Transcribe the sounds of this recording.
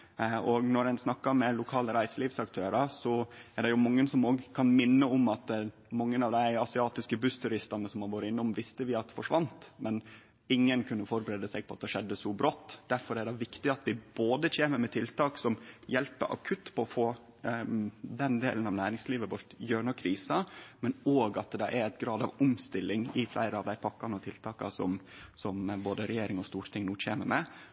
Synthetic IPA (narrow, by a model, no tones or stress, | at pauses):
ɔɡnɔɾænsnɑkːɑmɛlʊkʰɑːləɾæɪsliːʋsɑkt̪ʰøːɾɑsɔæɖɛjʊmɑŋːənsɔmoːɡəkʰɑnmɪnːəɔmɑt̪ | mɑŋːənɑʋd̪æɪɑsɪɑːt̪ɪskəbʉst̪ʰʉɾɪst̪ɑnəsɔmhɑɾʋɔɾəɪnːɔmʋɪst̪əʋɪɑt̪fɔʂʋɑnt̪mɛn | ɪŋːənkʰʉnːəfɔɾbəɾeːd̪əsɛɡ̚pʰɔɑt̪d̪ɛʂɛd̪ːəsɔbɾɔt̪ːd̪̥æɾfɔɾæɾɖɛʋɪkt̪ɪɑt̪̚d̪ɪboːd̪ət͡ɕʰeːməmɛt̪ʰɪlt̪ʰɑːksɔmjɛlpə̰ʔɑ̰kʰʉt̪ːpʰɔɔfoː | d̪ɛnd̪ḛːlənɑʋnæːɾɪŋsliːʋəʋɔɾt̪jøːɳɔkʰɾiːsɑmɛnoːɡɑt̪̚d̪ɛd̪ɑʔæɾæɪt̪ɡɾɑːd̪ɑ̰ʋʊmst̪ɪlːɪŋɪflæ̰ɪɾəɑʋd̪æɪpʰɑkːɑnɔt̪ʰɪlt̪ʰɑːkɑ̰sɔ̰msɔmboːd̪əɾɛjeːɾɪŋɔst̪uːɾt̪ʰɪŋnuːc͡çʰḛːməɾmɛ